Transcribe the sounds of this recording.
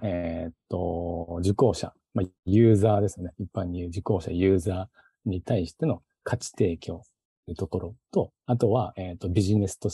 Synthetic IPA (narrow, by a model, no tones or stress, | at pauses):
et̪ːo̞d͡ʑiko̞ːɕa̰ | majɯ̟ːzaːd̪e̞sɨjo̞neipːãɲ̟ːijɯd͡ʑiko̞ːɕa̰jɯ̟ːzaː | ɲ̟it̪aiɕi̥t̪e̞no̞ | kʰat͡ɕi̥t̪e̞ːkʲo̞ː | ɯ̟t̪o̞ko̞ɾo̞t̪o̞ | at̪o̞βaeːt̪ːo̞bʲiʑine̞sɨ̥t̪o̞